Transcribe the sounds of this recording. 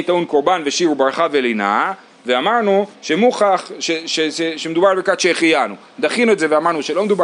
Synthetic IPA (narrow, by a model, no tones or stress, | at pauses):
it̪aunkoʁbanveʃiʁubaʁχavelina̰ | veamaʁnuʃemuχaχʃeʃeʃeʃemed̪ubaʁbekat̪ʃeːχijanu | d̪aχinuetzeveamaʁnuʃelo̞med̪uba